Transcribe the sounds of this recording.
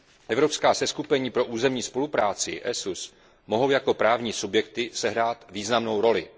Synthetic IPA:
ʔɛvɾo̞pskaːsɛskupɛɲiːpɾo̞ʔuːzɛmɲiːspo̞lupɾaːt͡sɪ̰ʔɛsus | mo̞ɦo̞wjako̞pɾaːvɲiːsubjɛkt̪ɪsɛɦɾaːt̪viːznamno̞wɾo̞lɪ

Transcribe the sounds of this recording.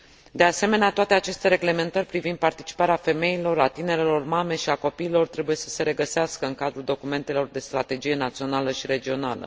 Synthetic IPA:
d̪e̞ase̞me̞neat̪oat̪e̞at͡ʃe̞st̪e̞ɾe̞ɡle̞me̞nt̪ərʲpɾivind̪̚part̪it͡ʃi̥paɾeafe̞me̞ilo̞rat̪ine̞ɾe̞lo̞rmame̞ʃiako̞piːlo̞rt̪ɾe̞bujesə̥se̞ɾe̞ɡəseaskəɨŋkad̪ɾuld̪o̞kume̞nt̪e̞lo̞rd̪e̞st̪ɾat̪e̞d͡ʒije̞nat̪sio̞naləʃiɾe̞d͡ʒio̞nalə̰

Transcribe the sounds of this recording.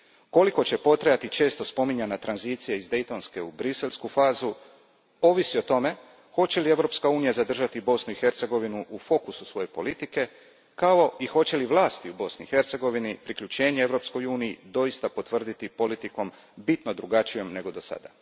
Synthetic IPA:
ko̞liko̞t͡ɕe̞po̞t̪ɾejat̪it͡ʃe̞ːst̪o̞spo̞miɲanat̪ɾanziːt̪sijaizd̪e̞jt̪o̞nske̞ubɾise̞lʲskufaːzu | o̞ʋisio̞t̪o̞me̞ | xo̞t͡ɕe̞lie̞ʋɾo̞ːpskauːnijazad̪r̩ʒat̪ibo̞snuixe̞ɾt̪se̞ɡo̞ʋinuʔufo̞kususʋo̞je̞po̞lit̪ike̞ | kao̞ixo̞t͡ɕe̞liʋlˠaːst̪iubo̞sniixe̞ɾt̪se̞ɡo̞ʋinipɾikʎut͡ɕe̞ːɲee̞ʋɾo̞psko̞juːnijid̪o̞jist̪apo̞t̪ʋr̩d̪it̪ipo̞lit̪iko̞m | bit̪no̞d̪ɾuɡat͡ʃijo̞mne̞ɡo̞d̪o̞sa̰d̪a̰

